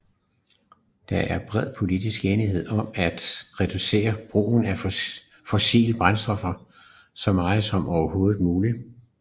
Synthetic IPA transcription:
d̥ɑ̈ʔæɐb̥ʁɛð̰ˠpʰo̝lid̥isɡ̥eːniɦe̝ð̞̰ˠɒ̽mæd̥ʁɛd̥use̝̰ːɐb̥ʁṵːn̩æ | fɒ̽sḭːləb̥ʁansd̥ɒ̽fɐ | sɒ̽mɑ̈ːð̩ˠsɒ̽mʔɒʊɐho̝ːð̩ˠmuːli

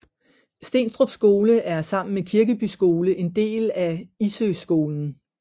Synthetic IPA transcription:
sd̥e̝̰ːnsd̥ʁob̥sɡ̥o̝ːləʔæɐsɑ̈m̰n̩mekʰiɐɡ̥əb̥ysɡ̥o̝ːləʔe̝nd̥e̝̰ːlæisøsɡ̥o̝ːln̩

